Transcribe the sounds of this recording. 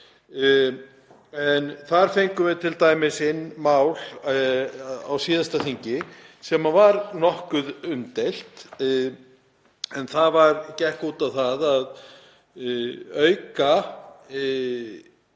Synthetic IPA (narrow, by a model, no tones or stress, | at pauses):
ɛnθaɾ̥fejŋkʏvɪðt̪ʰɪlt̪aːjmɪsɪnːmaːwl | a̰wsiːðast̪aθiɲcɪsɛmavaɾnɔhkʏðʏnt̪ejl̥t̪ | ɛnθaðvaɾcɛhkuːt̪awθaðað | œɥka